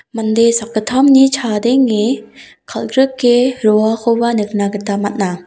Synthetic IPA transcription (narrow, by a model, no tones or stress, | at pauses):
mand̪esakːɯtʰamnit͡ʃʰad̪eŋːe | kʰalɡɾɯkːeɾoakʰowbanɯk̚naɡɯt̪amat̚na